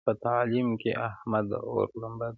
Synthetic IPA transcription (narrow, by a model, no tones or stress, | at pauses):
pɐt̪aːliːmkḛʔɐhmɐd̪o̰ːɾlɐmbɐd̪